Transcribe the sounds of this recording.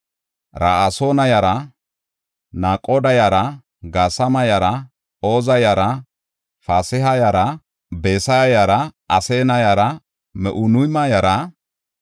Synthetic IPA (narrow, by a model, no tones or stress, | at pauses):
ɾaːasoːnɐjɐɾɐ | naːkʼːoːd̪ɐjɐɾɐ | ɡaːsɐmɐjɐɾɐ | oːzɐjɐɾɐ | faːsɪhɐjɐɾɐ | beːsɐjɐjɐɾɐɐseːnɐjɐɾɐ | mɛʔʊnʊjmɐjɐɾɐ